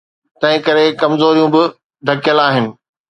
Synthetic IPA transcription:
t̪ɐ̃ɦɪ̃kɐɾekɐmzoːɾijũbɪ | d̪ʱɐkjəlaːɦɪnɪ̆

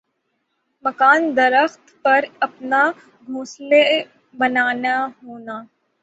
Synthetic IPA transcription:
mɐkaːnd̪ɐɾəxt̪pɐɾɐpna | ɡʱuːsle | bɐnaːnaɦoːnaː

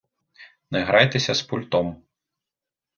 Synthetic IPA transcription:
nɛɣɾajt̪ɛsʲɐspulʲt̪ɔm

